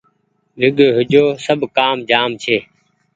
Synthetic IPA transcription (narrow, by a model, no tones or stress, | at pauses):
ɾɪɡoːɦʊd͡ʒoːsəbʱkaːmd͡ʒaːmt͡ʃʰeː